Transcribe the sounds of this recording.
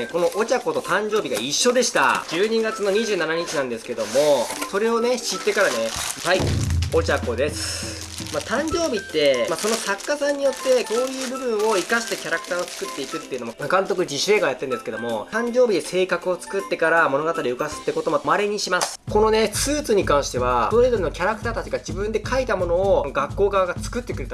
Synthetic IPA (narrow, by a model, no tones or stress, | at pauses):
ko̞no̞ʔot͡ɕako̞t̪o̞t̪ãɲ̟d͡ʑo̞ːbʲiɡa̰iɕːo̞d̪e̞ɕi̥t̪a̰d͡ʑɨːɲ̟iɡat͡sɨno̞ɲ̟iʑɨːnanaɲ̟it͡ɕinãnd̪e̞sɨ̥ked̪o̞mo̞so̞ɾe̞o̞ne̞ɕit̪ːe̞kaɾane̞haio̞t͡ɕako̞d̪e̞sɨ̥ | mat̪ãɲ̟d͡ʑo̞ːbʲit̪ːe̞maso̞no̞sakːasãɲ̟ːijo̞t̪ːe̞ko̞ːjɯ̟ːbɯ̟bɯ̟̃ɰ̃o̞ikaɕi̥t̪akʲaɾakɯ̟̥t̪aːot͡sɨ̥kɯt̪ːe̞ikɯ̟t̪ːeɯ̟no̞momakãnt̪o̞kɯ̟d͡ʑiɕɾe̞ɡajat̪ːẽ̞nd̪e̞sɨ̥ked̪o̞mo̞ãɲ̟d͡ʑo̞ːbʲid̪e̞se̞ːkakɯ̟o̞t͡sɨ̥kɯ̟t̪ːe̞kaɾamo̞no̞ɡat̪aɾʲiɯ̟kasɨ̥t̪ːeko̞t̪o̞momaɾe̞ɲ̟iɕimasɨ̥ko̞no̞ne̞sɨːt͡sɨɲ̟ikãɰ̃ɕi̥t̪e̞βaoɾed̪oɾʲinokʲaɾakɯ̟t̪aːt̪at͡ɕiɡad͡ʑibɯ̟̃nd̪e̞kʰait̪amo̞no̞ːɡakːo̞ːɡaβaɡat͡sɨ̥kɯ̟t̪ːe̞kɯ̟ɾe̞t̪a